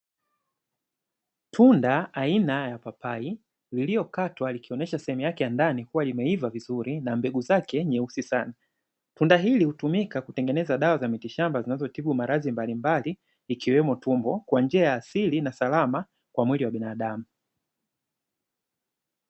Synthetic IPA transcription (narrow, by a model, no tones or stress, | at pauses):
tʰundaainajapapai | liliɔkatwalikiɔnɛʃasɛhɛmujakɛjandanikuwalimɛivavizuɾinambɛɡuzakɛɲɛusisana | tundaɦilihutumikakutɛŋɡɛnɛzaɗawazamitiʃambazinazɔtiɓumaɾazimbalimbaliː | kiwɛmɔtumbɔkwand͡ʒiajaːsilinasalama | kwamwiliwaɓinaːɗamu